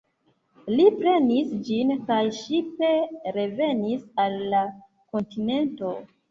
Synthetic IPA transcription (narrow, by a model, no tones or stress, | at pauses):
lipɾe̞nisd͡ʒinkajʃipeɾe̞ve̞nisalːa | ko̞ntine̞nto̞